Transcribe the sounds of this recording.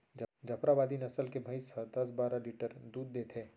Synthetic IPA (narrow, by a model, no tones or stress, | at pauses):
d͡ʒd͡ʒɐpɾabaːd̪inɐsəlkebʱəɪsɐd̪ɐs̬baːɾaliːʈəɾd̪uːd̪̚ːeːt̪ɦeː